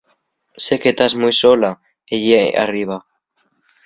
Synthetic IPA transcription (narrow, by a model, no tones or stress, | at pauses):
se̞ke̞t̪azmujso̞la | ejea̰riβ̞a